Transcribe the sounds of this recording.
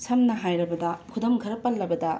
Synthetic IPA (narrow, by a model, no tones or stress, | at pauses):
sʰɐmnɐɦajɾɐbɐdɐkʰudomɡʱɐɾɐpːɐlːɐbɐdɐ